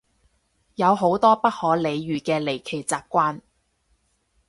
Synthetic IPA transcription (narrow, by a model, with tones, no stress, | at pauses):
jɐ˨˧wɦo˨˥wt̪ɔː˥pɐ˥t̚hɔː˨˥le˨˧jːyː˨˩kɛː˧le˨˩jkʰe˨˩jt͡saː˨˧p̚kːʷaː˥n